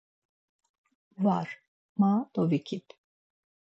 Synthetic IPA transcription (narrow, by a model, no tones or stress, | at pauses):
vaɾ | mat̪ɔvikʲʰit̪